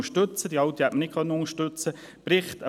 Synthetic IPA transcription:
əʃtɵt͡səd̥iɑwt̪ihɛtmənɪkχœnːəʊŋəʃtʉt͡sə | b̥ɾɪχt̪ə

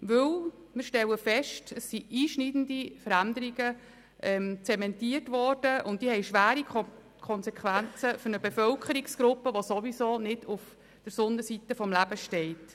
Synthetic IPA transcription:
ʋɵl | mɪɾʃtɛlːəfɛʃtəsːiiːʃnidən̩difəɾændəɾiɡə | ʔɛmt͡sɛmɛntiərtʋɔrd̥əʔʊntd̥iːhɛɪʃʋæːɾi | kʰɔnsɛkʰʋænt͡səfʏɾnəbefœlkʰəɾiksɡ̥ɾʊpːəʋosoʋisoːnɪduf | d̥əɾsʊndəsitːəfɔmlæb̥əʃtɛɪt

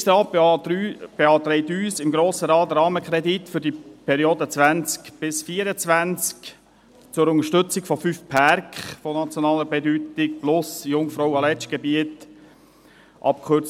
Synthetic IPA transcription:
ʃtɑːyb̥eɑːt̪ɾɛɪtyːsɪmɡɾoːsəɾɑːtɾɑːməkχɾɛd̪itfʏɾdipʰɛɾioːdət͡sʋænt͡skb̥ɪsfiːəɾət͡svænt͡sk | t͡sʊɾʊŋəʃtʏt͡sɪkfɔfyfpʰaɾkχfɔnɑt͡sjɔnɑːləbɛdytɪk̚plʊsjʊŋfɾoʊɑlɛt͡ʃɡ̥ɛbiət | ʔɑ̰p̚kχørt͡s

